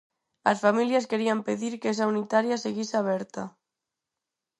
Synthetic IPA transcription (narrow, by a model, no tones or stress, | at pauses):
lasfamiljaskeɾiampeðiɾkes̬aunit̪aɾjaseɣisaβ̞ɛɾt̪a